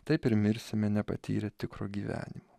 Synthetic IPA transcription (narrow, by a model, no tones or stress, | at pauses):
t̪ɐɪpɪɾʲmʲɪɾʲsʲɪmʲɛnʲɛpɐ̰t̪ʲḭːɾʲɛt̪ʲɪkɾoːɡʲiːʋʲæ̰ːnʲɪmo